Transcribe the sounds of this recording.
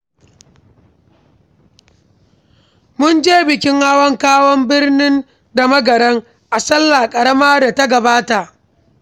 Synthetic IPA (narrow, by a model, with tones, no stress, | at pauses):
mʊ˦nd͡ʒeː˦bɪ˨kʲɪ˦ŋha˦wɐ˦ŋkaː˦wɔ˦mbɪ˦rnɪ˦n | da˨mɐ˦ɡɐ˨ɾɐ˦ŋ | ʔa˨sɐ˦lːa˨kʼɐ˨ɽɐ˦maː˦da˨ta˦ɡɐ˨baː˦ta˨ʔ